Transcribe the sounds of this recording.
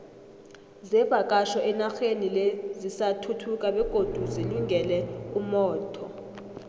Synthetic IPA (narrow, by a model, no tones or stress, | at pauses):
zɛb̥ʱakʼaʃɔʔɛnaxenilezisatʰutʰukʼaɓɛɡ̥ʱod̥ʱuziluŋɡʱɛlɛumɔːtʰɔ